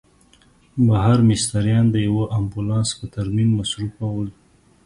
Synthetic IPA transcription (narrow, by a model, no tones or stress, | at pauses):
baɦaɾmɪst̪aɾjɑnd̪əjawəʔambulɑnspət̪aɾmimːasɾufawəl